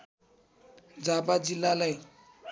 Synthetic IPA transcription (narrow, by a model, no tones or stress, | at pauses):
d͡zapad͡zilːalaj